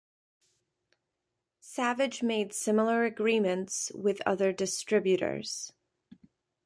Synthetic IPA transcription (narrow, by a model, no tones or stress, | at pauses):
sævɨd͡ʒmeɪd̥sɪ̃ml̩ˠə˞ɨɡɹimɨ̃ntswɪðʌ̰ðə˞dɨstɹ̥ɪbjʉɾə̰˞z̥